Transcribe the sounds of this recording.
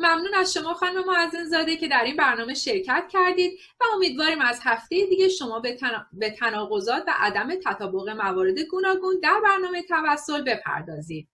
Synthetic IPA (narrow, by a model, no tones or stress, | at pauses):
mæmnuːnæzʃo̞mɒːxɒnume̞mɒːæzinzɒːd̪ecʰe̞d̪æɾinbæɾnɒːme̞ʃe̞ɾcʰæt̪ʰcʰæɾd̪iːd̪̚ | væo̞miːd̪vɒːɾiːmæzhæft̪ejed̪iːɟe̞ʃo̞mɒːbbe̞t̪ʰænɒːɣo̞zɒːt̪ʰvæ̰ʔæd̪æme̞t̪ʰæt̪ʰɒːbo̞ɣe̞mævɒːɾe̞d̪e̞ɡuːnɒːɡuːnd̪æɾbæɾnɒːme̞t̪ʰævæsːo̞lbe̞pʰæ̰ɾd̪ɒːziːd̪̥̚